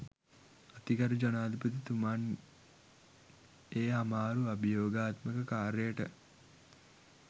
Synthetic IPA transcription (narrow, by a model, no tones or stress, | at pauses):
at̪iɡaɾud͡ʒanaːd̪ipət̪it̪uman | eːɦamaːɾuabijoːɡaːt̪məkəkaːɾəjəʈə̰